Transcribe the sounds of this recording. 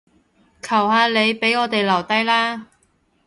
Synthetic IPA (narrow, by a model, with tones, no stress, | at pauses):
kʰɐ˨˩whaː˧le˨˧jpe˨˥jɔː˨˧t̪e˨jlɐ˨˩wt̪ɐ˥jlaː˥